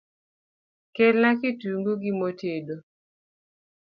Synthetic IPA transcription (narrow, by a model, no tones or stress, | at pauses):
kelnakɪtuŋɡuɡimotʰedo